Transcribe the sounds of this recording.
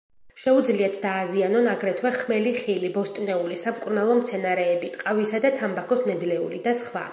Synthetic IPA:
ʃɛud̪zliat̪ʰd̪aːzianɔnaɡɾɛt̪ʰwɛχmɛliχilibɔst̪ʼnɛulisamkʼuɾnalˠɔmt̪sʰɛnaɾɛːbit̪ʼqʼavisad̪at̪ʰambakʰɔsnɛd̪lɛṵlid̪asχwa̰

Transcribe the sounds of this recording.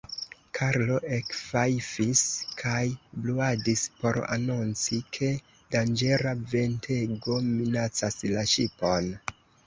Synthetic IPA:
kʰaɾlo̞ʔekfajfiskʰajbluadispo̞ɾa̰nont͡sikʰe̞ | dand͡ʒe̞ɾave̞ntʰe̞ɡo̞minat͡saslaʃipo̞n

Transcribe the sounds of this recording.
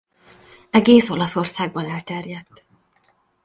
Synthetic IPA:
ɛɡeːsolɒso̞rsaːɡ̚bɒnɛlt̪ɛrjɛt̪ː

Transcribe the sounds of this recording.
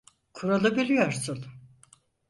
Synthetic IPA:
kʰuɾalˠɯbilʲijoɾsun

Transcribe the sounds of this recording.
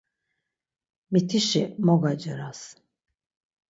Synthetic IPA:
mit̪ʰiʃimɔɡad͡ʒɛɾas

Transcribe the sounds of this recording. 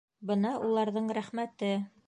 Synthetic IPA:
bɤnɑʔulˠɑɾðɤɴɾæχmæt̪ɘ

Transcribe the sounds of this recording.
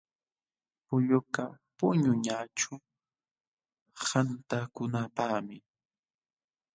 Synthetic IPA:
pʊʎʊkapʊɲʊɲaʈ͡ʂʊ | hant̪akʊnapaχmɪ

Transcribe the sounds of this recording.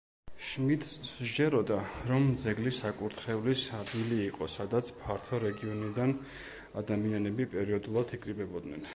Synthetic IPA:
ʃmit̪ʰd͡ʒɛɾɔd̪aɾɔmd̪zɛɡlisakʼuɾt̪ʰχɛvlisad̪ɡiliːqʼɔsad̪at̪sʰpʰaɾt̪ʰɔɾɛɡiɔnid̪an | ad̪amianɛbipʼɛɾiɔd̪ulˠat̪ʰikʼɾibɛbɔd̪nɛ̰n

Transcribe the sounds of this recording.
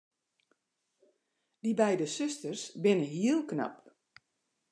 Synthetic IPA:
dibɛjdəsøstərsbɪnəɦiəlˠkna̰p

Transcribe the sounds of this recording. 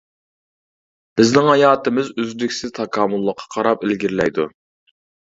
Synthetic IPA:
b̥ɪznɪŋhɑjɑːt̪ɪmɪzyzd̪ykʲsɪzt̪ʰɑkʰɑːmʊlˠːəqʰːɑ̥qʰɑɾɑpɪlɡʲiɾlɛ̰jd̪u

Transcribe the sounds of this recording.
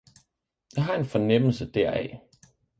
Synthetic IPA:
jäɪɦɑ̈e̝nfɒnem̰l̩səd̥ɛɐɛ̰

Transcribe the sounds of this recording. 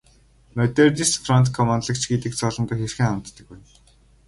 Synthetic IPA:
mœt̪ert̪isfrɔnt̪kʰɔmant̪ɮə̆kt͡ɕɡet̪ɘ̆k̚t͡sɔːɮɞ̆nt̪ʊ̆ːxerxɘ̆ŋamt̪ːə̆kuj

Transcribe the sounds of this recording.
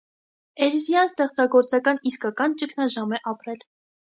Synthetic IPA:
ɛɾizjɑnst̪ɛχt͡sɑɡɔɾt͡sɑkɑniskɑkɑnt͡ʃəkʰnɑʒɑmɛʔɑpɾɛl

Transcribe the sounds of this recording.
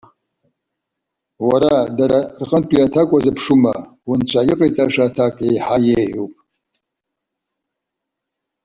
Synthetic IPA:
waɾadaɾarqʼənpʼiatʰakʷʼazɨpʰʂuma̰ | wʊnt͡ɕʷʰaiqʼejt͡sʼaʂatʰakʼejħajeħupʼ

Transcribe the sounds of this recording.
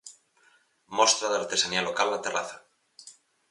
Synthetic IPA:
most̪ɾaðeaɾt̪esanialokalːat̪eraθḁ

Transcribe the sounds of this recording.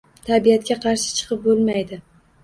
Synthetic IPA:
t̪ʰabijat̪̚kʲaqʰɑɾʃɪ̥t͡ʃʰɨ̥qʰɨp̚bolˠmajd̪ɪ

